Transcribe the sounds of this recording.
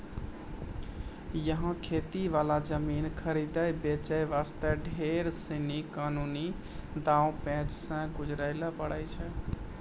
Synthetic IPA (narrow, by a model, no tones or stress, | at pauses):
jəɦãkʰet̪iʋalad͡ʒəminkʰəɾid̪əjbet͡ʃəjʋast̪əɖʱeɾsinikanuni | d̪ãũpɛ̃t͡ʃsə̃ɡud͡ʒɾəɪləpəɽəjt͡ʃʰɛ